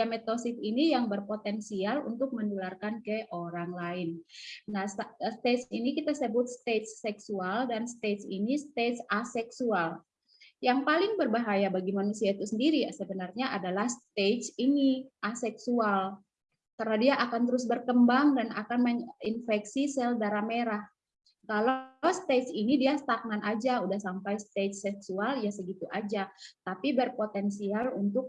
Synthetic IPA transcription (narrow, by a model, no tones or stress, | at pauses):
amet̪osɪt̪̚inijaŋbərpot̪ɛnsialṵnt̪ʊk̚mənularkankəʔoɾaŋlaɪnnasst̪et͡ʃinikit̪asəbʊt̪̚st̪esːɛksualdanst̪esinist̪esasɛksual | jaŋpalɪŋbərbaɦajabaɡimanusiait̪usəndiɾisəbənərɲaʔadalahst̪et͡ʃiniasɛksual | t̪ərnadiaʔakant̪əɾʊs̬bərkəmbaŋdana̰kanməinfɛksisɛldaɾameɾah | kalawst̪et͡ʃinidiast̪ak̚nanʔad͡ʒaudahsampajst̪ed͡ʒsɛksualjasəɡit̪uʔad͡ʒat̪apibərpot̪ɛnsialunt̪ʊk̚